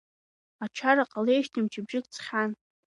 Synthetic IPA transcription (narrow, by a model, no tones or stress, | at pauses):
at͡ʃʷʰaɾaqʼalejʃtʰɨmt͡ʃʰʼɪbʒɪkʼt͡sʰχʲan